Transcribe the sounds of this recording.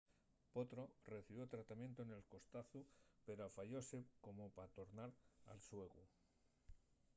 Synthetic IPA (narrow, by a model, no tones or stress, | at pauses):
po̞t̪ɾo̞re̞θiβjot̪ɾat̪amje̞nt̪oene̞lko̞st̪aθupe̞ɾafaʎo̞se̞ko̞mo̞pat̪o̞ɾnaɾa̰lswe̞ɣu